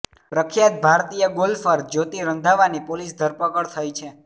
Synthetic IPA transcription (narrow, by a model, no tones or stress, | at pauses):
ɾəkʰjat̪̚bʱaɾt̪ijəɡolfəɾd͡ʒot̪iɾənd̪ʱaʋanipolisd̪ʱəɾpəkəɭt̪ʰəjt͡ʃʰe